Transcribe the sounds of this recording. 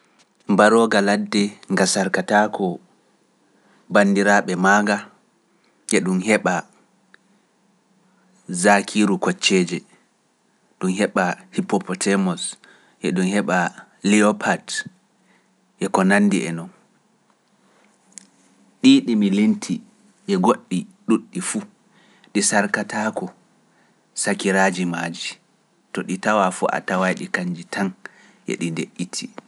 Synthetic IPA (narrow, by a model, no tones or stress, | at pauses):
mbaɾɔɡaladːɛŋɡasaɾkatakʰɔ | banːdiɾaɓɛmaɡa | ʔɛɗumɦɛɓa | zakʰiɾukɔt͡ʃːɛd͡ʒɛ | ɗumɦɛɓahipːɔpɔtʰɛmɔs | ʔɛ̰ɗumhɛɓa | lɛɔpʰad | ʔɛkɔnanːdiʔɛ̰nɔn | ɗiɗimilintʰi | ʔɛɡoɗːiɗuɗːifu | ɗisaɾkatakɔ | sakiɾaːd͡ʒimaːd͡ʒi | tɔɗitawafuʔa̰tawajɗikaɲd͡ʒitʰan | ʔɛ̰ɗindeʔːitʰi